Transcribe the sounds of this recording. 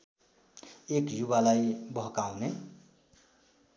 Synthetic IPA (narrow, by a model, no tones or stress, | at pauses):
ekjuβalajbʌɦkaʊne